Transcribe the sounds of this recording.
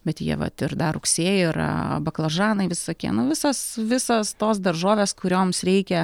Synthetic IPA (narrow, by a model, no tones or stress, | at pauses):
bʲɛt̪jiɛʋɐ̰t̪ɪrd̪ɐɾʊksʲeːjɪɪɾɐ̰bɐklˠɐʒɑːnɐɪʋʲɪsoːkʲiɛnʊʋʲɪsɐsʋʲɪsɐst̪oːsd̪ɐrʒoːʋʲeːskʊɾʲoːmsɾʲɛɪkʲɛ